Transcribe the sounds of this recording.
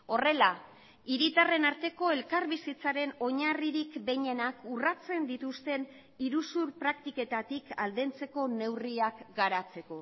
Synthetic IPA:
o̞re̞la | iɾit̪are̞naɾt̪e̞ko̞e̞lkaɾβisit͡saɾe̞no̞ɲariɾikbe̞ɲe̞nakurat͡se̞nd̪it̪ust̪e̞n | iɾusuɾpɾakt̪ike̞t̪at̪ika̰ld̪e̞nt͡se̞ko̞ne̞wriakɡaɾat͡se̞ko̞

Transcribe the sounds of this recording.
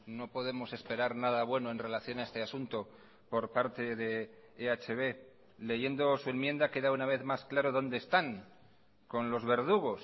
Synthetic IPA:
no̞poðe̞mo̞se̞spe̞ɾaɾnaðaβwe̞noe̞nre̞laθjo̞nae̞st̪e̞asunt̪o | po̞ɾpaɾt̪e̞ðe̞ | eat͡ʃe̞βe̞ | le̞ʝe̞nd̪o̞sue̞nmje̞nd̪ake̞ðaunaβ̞e̞θmasklaɾo̞ðo̞nd̪e̞ːst̪aŋ | ko̞nlo̞zβe̞ɾðuɣ̞o̞s

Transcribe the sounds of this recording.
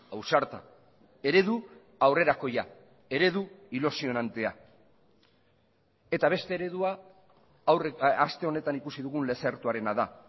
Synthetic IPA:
awsaɾt̪a̰ | e̞ɾe̞ðu | awre̞ɾako̞ja | e̞ɾe̞ðuilusio̞nant̪e̞a | e̞t̪aβ̞e̞st̪e̞ːɾe̞ðua | wrast̪e̞o̞ne̞t̪anikusiðuɣunle̞se̞ɾt̪uaɾe̞naða

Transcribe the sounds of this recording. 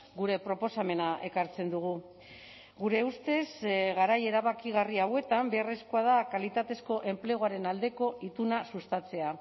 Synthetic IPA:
ɡuɾe̞pɾo̞po̞same̞naʔe̞kaɾt͡se̞nd̪uɣ̞u | ɡuɾe̞ust̪e̞zɣaɾaje̞ɾaβakiɣ̞ariawe̞t̪ambe̞are̞skoað̞akalit̪at̪e̞sko̞ʔe̞mple̞ɣ̞oaɾe̞nald̪e̞ko̞it̪unasust̪at͡se̞a

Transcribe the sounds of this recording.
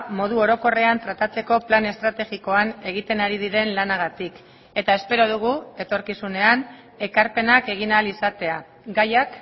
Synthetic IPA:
mo̞ð̞uo̞ɾo̞ko̞re̞ant̪ɾat̪at͡se̞ko̞plane̞st̪ɾat̪e̞ɣiko̞ane̞ɣ̞it̪e̞naɾiðiɾe̞nlanaɣ̞at̪ik | e̞t̪ae̞spe̞ɾo̞ð̞uɣ̞ue̞t̪o̞ɾkisune̞an | e̞kaɾpe̞nake̞ɣ̞inalisat̪e̞a | ɡajak

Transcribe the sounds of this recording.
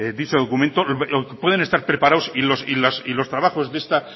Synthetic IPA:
d̪it͡ʃoð̞o̞kumẽnt̪opwe̞ð̞e̞nest̪aɾpɾe̞paɾawsilosilasilo̞st̪ɾaβaxo̞zðe̞st̪a

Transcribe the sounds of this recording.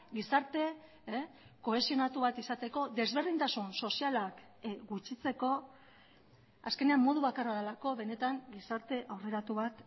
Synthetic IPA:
ɡisaɾt̪e̞ | ko̞e̞sio̞nat̪uβat̪isat̪e̞ko̞d̪e̞zβe̞rðint̪asunso̞sialak | ɡut͡ʃit͡se̞ko̞ | aske̞ne̞amːo̞ð̞uβ̞akaraðelako̞βe̞ne̞t̪aŋɡisaɾt̪e̞ʔawre̞ɾat̪uβat̪

